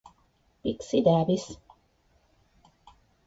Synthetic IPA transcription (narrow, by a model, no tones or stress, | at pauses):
piksid̪aːbis